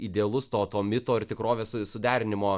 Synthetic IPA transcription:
ɪd̪ʲeɐlˠʊst̪oːt̪oːmʲɪt̪oːɪɾt̪ʲɪkɾoːʋʲeːssʊd̪ʲæːɾʲɪnʲɪmoː

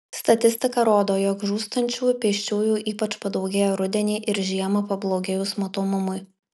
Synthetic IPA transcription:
st̪ɐt̪ʲɪsʲt̪ʲɪkɐɾoːd̪oːjoːkʒuːst̪ɐnʲt͡ʃʲuːpʲiɛʃʲt͡ʃʲuːjuːʔiːpɐt͡ʃpɐd̪ɐʊɡʲeːjoːɾʊd̪ʲɛnʲɛːʔɪɾʒʲiɛmɐpɐblˠoːɡʲɛjʊsmot̪oːmʊmʊɪ

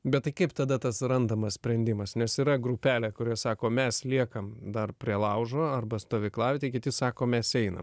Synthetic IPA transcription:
bʲɛt̪t̪ɐɪkɐɪpt̪ɐd̪ɐt̪ɐsɾɐnd̪ɐmɐssʲpʲɾʲɛnʲd̪ʲɪmɐsnʲɛsiːɾɐɡɾʊpʲæːlʲɛkʊɾʲiɛsɑːkoːmʲɛslʲiɛkɐmd̪ɐrpʲɾʲiɛlˠɐʊʒoːɐrbɐst̪oːʋʲɪklˠɑːʋʲɪt̪ʲɛɪkʲɪt̪ʲɪsɑːkoːmʲɛsɛɪnɐ̰m

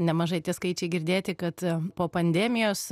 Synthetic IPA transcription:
nʲɛmɐʒɐɪt̪ʲiɛskɐɪt͡ʃʲɛɪɡʲɪɾʲd̪ʲeːt̪ʲɪkɐt̪poːpɐnʲd̪ʲæːmʲɪjoːs

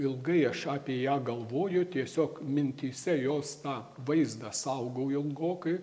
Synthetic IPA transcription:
ɪlˠɡɐɪɐʃɑːpʲiɛjæːɡɐlˠʋoːjʊt̪ʲiɛsʲoːkmʲɪnʲt̪ʲiːsʲɛjoːst̪ɑː | ʋɐɪzd̪ɑsɐʊɡɐʊɪlˠɡoːkɐɪ

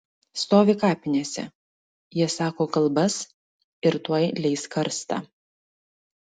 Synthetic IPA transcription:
st̪oːʋʲɪkɑːpʲɪnʲeːsʲɛ̰ | jiɛsɑːkoːkɐlˠbɐs | ɪɾt̪uɔjlʲɛɪskɐɾst̪ɑ̰ː

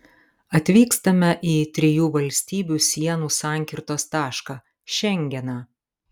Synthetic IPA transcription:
ɐt̪ʲʋʲiːkst̪ɐmʲɛʔiːt̪ʲɾʲɪjuːʋɐlʲsʲt̪ʲiːbʲuːsʲiɛnuːsɑːˑŋʲkʲɪɾt̪oːst̪ɑːʃkɑː | ʃʲɛŋʲɡʲɛnɑː

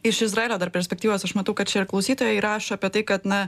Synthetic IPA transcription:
ɪʃɪzɾɐeːlʲoːd̪ɐɾpʲɛɾʲsʲpʲɛkt̪ʲiːʋoːsɐʃmɐt̪ɐʊkɐt̪̚t͡ʃʲɛɪɾklˠɐʊsʲiːt̪oːjɛiɾɑːʃoɐpʲiɛt̪ɐɪkɐt̪nɐ

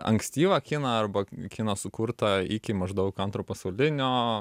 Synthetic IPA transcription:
ɐ̰ŋksʲt̪ʲiːʋɐkʲɪnɐɐrbɐkʲɪnɐsʊkurt̪ɐɪkʲɪmɐʒd̪ɐʊkɐnt̪ɾoːpɐsɐʊlʲɪnʲoː

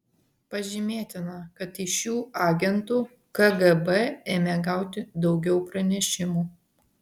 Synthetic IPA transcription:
pɐʒʲɪmʲeːt̪ʲɪnɐkɐt̪ɪʃjuːɑːɡʲɛnt̪uː | kɐɡɐbɛeːmʲeːɡɑˑʊt̪ʲɪd̪ɒʊɡʲɛʊpɾɐnʲɛʃʲɪmuː

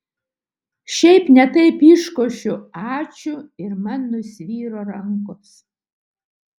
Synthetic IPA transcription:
ʃʲɛɪpnʲɛt̪ɐɪpiːʃkoːʃʲʊɑːt͡ʃʲʊɪɾmɐnːʊsʲʋʲiːɾoːɾɐŋkos

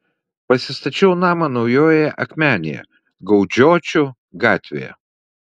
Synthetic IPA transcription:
pɐsʲɪst̪ɐt͡ʃʲɛʊnɑːmɐnɐʊjoːjɛʔɐkʲmʲæːnʲḛjɛ̰ | ɡɐʊd͡ʒʲoːt͡ʃʲʊ | ɡɑːt̪ʲʋʲḛjɛ̰

